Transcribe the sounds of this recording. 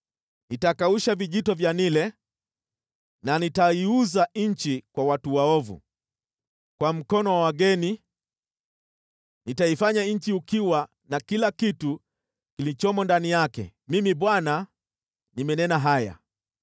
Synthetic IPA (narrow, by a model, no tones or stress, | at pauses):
nitakauʃaviʄitɔvjanilɛ | nanitaiuzaɲ̩t͡ʃikwawatuwaɔvṵ | kwam̩kɔnɔwawaɡɛni | nitaifaɲaɲ̩t͡ʃiukiwa | nakilakitu | kilit͡ʃɔmɔndanijakɛ̰mimiɓwana | nimɛnɛnaɦaja̰